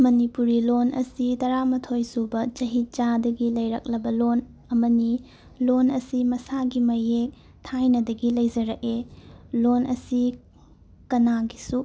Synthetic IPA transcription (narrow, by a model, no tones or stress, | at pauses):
mɐnipuɾilonɐ̰sitɐɾamɐtʰojsubɐt͡ʃɐɦit͡ʃadɐɡilɐjɾɐk̚lɐbɐlon | ɐmɐni | lonɐsimɐsaɡimɐjek̚ | tʰajnɐdɐɡilɐjd͡ʒɐɾɐkelonʔɐ̰si | kɐnaɡisu